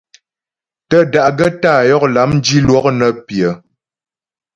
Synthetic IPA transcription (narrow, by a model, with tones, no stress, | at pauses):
tə˦da˨ʔɡə˦taː˦˨jɔ˦k̚la˨˦mn̩˦d͡ʒi˦lwɔ˦k̚nə˦pjə˨